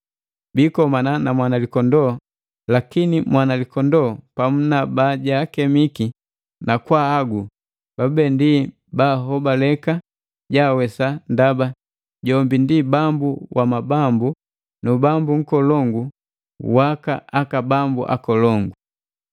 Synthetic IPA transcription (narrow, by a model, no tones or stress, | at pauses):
bikɔmananamwanalikɔndɔ | lakinimwanalikɔndɔːpamunabaɟaːkɛmiki | nakwaːɡu | b̥abɛndi | baɦɔbalɛka | ɟawɛsandaba | ɟɔmbindibambuwʔamabambu | nubambuŋ̩kɔlɔŋɡu | waka̰akabambṵʔa̰kɔlɔŋɡu